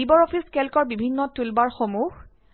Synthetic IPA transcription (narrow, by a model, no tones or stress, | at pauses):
ibɔɹɔpʰiskɛlkɔɹbibʱinːɔtulbaɹxomux